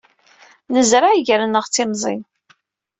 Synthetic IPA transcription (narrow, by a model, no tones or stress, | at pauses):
nəzɾaʕiʝəɾənəʁt͡sːɪmzˤḭn